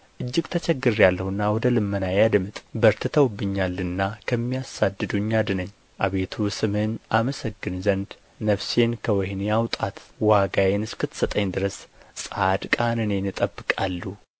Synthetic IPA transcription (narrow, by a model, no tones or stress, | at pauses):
ʔɨd͡ʒːɪɡt̪ʰət͡ʃʰɛɡːɨɾjalːəhɨnːawɔd̪əlɨmːənajad̪mɨt̪ʼbəɾt̪ʰɨt̪ʰəwbːɨɲːalːɨnːakʰəmːijasad̪ːɨd̪uɲːad̪ɨnəɲː | ʔaβe̞t̪ʰusɨmhɨnaməsəɡːɨnzənd̪ | nəfse̞nkʰəwɔhneawt̪ʼat̪waɡajenɨskɨt̪ʰsət̪ʼəɲd̪ɨɾəssʼad̪kʼanɨne̞nɨt̪ʼəbːɨkʼalːu